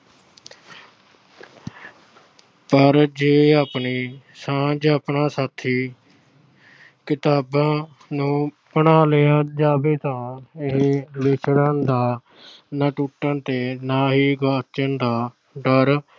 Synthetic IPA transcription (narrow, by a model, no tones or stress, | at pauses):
pəɾd͡ʒeːaːpniː | sãːd͡ʒaːpɳaːsaːt̪ʰːiː | kɪt̪aːbãː | nũː | pəɳaːleːãːd͡ʒaːbeːt̪ãːɪɦbɪt͡ʃɽəːnd̪aː | nãːʈuːʈːə̃nt̪eːnãːɦiːɡaːt͡ʃənd̪aː | ɖəɾ